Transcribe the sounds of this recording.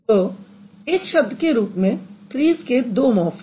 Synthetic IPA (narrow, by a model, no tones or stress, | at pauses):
oː | eːkʃɐb̚d̪ʱkeɾuːpmẽpɾiːzked̪oːmɔːf